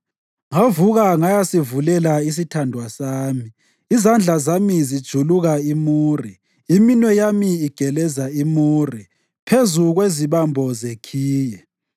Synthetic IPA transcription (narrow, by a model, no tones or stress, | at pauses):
ŋavuɣaŋajasivulɛlais̬itʰandʱwasaːmiː | zand͡ɮʱazamizid̥ʒ̥ʱuluɣaimuːri | iminwɛjamiːɡ̥ʱɛlɛzaimuːri | pʰezuɣweziβambʱɔzekʰiːjɛ